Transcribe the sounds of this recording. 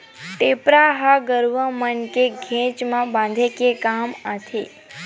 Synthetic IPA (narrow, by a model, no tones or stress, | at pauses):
ʈepɾaɦaɡəɾʋəmənkeɡʱɛ̃t͡ʃmãbãnd̪ʱekekamat̪ʰe